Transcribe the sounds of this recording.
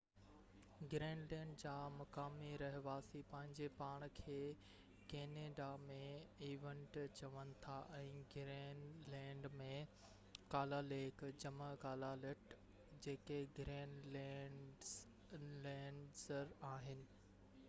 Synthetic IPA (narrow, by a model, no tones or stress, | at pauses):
ɡɾẽːnlɛ̃ːɳɖd͡ʑaːmɐkaːmiɾɐɦɪʋaːsipɐ̃ɦɪ̃ɲd͡ʑepaːɽ̃kʰeː | keːneːɖamẽiːʋẽɳʈt͡ɕɐʋənɪ̆t̪ʰaʔɛ̃ːɡɾeːnlɛ̃ːɳɖmẽ | kaːlaleːkd͡ʑɐməkaːlalɪʈ | d͡ʑeːkeɡɾeːnlɛɖ | lɛ̃ːɳɖzəɾaːɦɪnɪ̆